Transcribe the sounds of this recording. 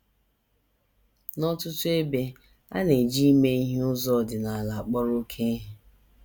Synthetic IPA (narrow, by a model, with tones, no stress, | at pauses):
nɔ˦tʊ˦tʊ˦e˦be˦ | a̰˦ne˨d͡ʒi˦me˦i˦ɦe˦ʊ˦zɔ˦˨dɪ˨na˨a˨la˨a˨k͡pɔ˦ɾo˦kʰe˦ɦe˨